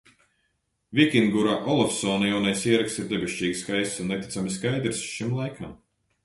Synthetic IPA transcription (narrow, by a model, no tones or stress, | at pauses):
vʲikʲiŋɡuɾaʔɔlˠɔfsɔːnajawnajsiɛɾaksiɾd̪ɛbeʃt͡ʃiːɡiskajsunːɛt̪ʲi̥t̪samiskajd̪ɾsʃimlˠajkʰam